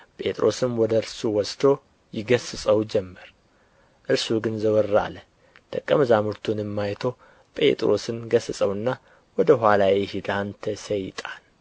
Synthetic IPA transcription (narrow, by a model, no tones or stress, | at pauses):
pʼe̞t̪ʼɾʔo̞̰sɨnwɔd̪əɨɾsuwɔst̪ʰo̞ | jɪɡəsɨsʼəwd͡ʒɛmːəɾ | ʔɨɾsuɡɨnzəwɔɾːa̰lə | d̪ʰəkʼːəməzamɨɾt̪ʰunɨmːajt̪ʰo̞ | pʼe̞̰t̪ʼɾo̞sɨnɡəsɨsʼəwɨnːa | wɔd̪əɦʷalajɛhid̪ant̪ʰəsəjt̪ʼan